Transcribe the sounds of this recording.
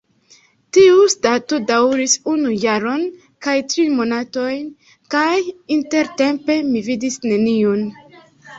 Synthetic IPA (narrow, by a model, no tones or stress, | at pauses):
tiustatodawɾisunujaɾo̞n | kajtɾimo̞nato̞jn | kajinte̞ɾte̞mpe̞mividisne̞nion